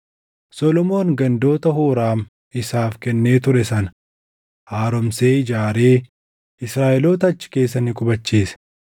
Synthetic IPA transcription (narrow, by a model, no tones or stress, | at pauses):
sɔlɔmo̞ːŋɡɐnd̪o̞ːt̪ɐhuːɾaːm | ɪsaːfkɛnːe̞ːt̪ʊɾɛsɐn | haːɾɔmse̞ːɪd͡ʒaːɾe̞ː | ɪsɾaːʔɛloːt̪ɐɐt͡ʃːɪ̥ke̞ːs̬ːɐnɪkʼʊbɐt͡ʃːiːsɐ̥